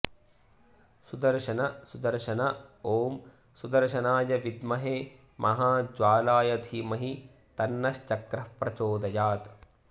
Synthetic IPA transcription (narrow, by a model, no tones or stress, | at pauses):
sud̪ɐɾʃɐnɐsud̪ɐɾʃɐnɐoːm | sud̪ɐɾʃɐnaːjɐʋid̪mɐɦe | mʔɐɦaːd͡ʒʋaːlaːjɐd̪ʰʱimɐɦi | t̪ɐnːɐʃt͡ʃɐkɾɐpɾɐt͡ʃoːd̪ɐjaːt̪